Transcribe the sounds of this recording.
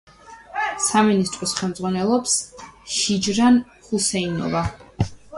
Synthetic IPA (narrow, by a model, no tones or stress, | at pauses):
saminist̪ʼɾɔsχɛlˠmd̪zʁwanɛlˠɔpsʃid͡ʒɾan | χusɛinɔ̰va